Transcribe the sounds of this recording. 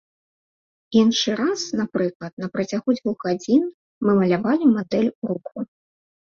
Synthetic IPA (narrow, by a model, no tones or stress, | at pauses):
inʂɨɾasnapɾɨklˠɐt̪nɐpɾɐt͡sʲaɣud͡zʲvuɣad͡zʲin | mɨmɐlʲavalʲimad̪ɛlʲɾuku